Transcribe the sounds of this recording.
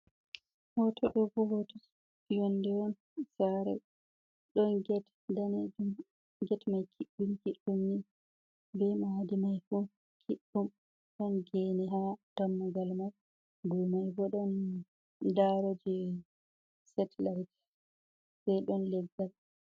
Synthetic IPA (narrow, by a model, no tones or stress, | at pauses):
hɔtʰɔɗɔbɔhɔtɔs | ijɔndɛwɔn | saɾɛ̰ | ɗɔnɡɛt | daned͡ʒum | ɡɛtmajkʰiɗːumkiɗːumni | bɛmadimajfu | kʰiɗːum | ɗɔnɡɛnɛɦatamːaɡalmaɾ | bɔjmajbɔɗɔn | daɾɔd͡ʒɛ | sɛtʰlajt | sɛjɗɔnlɛɡːal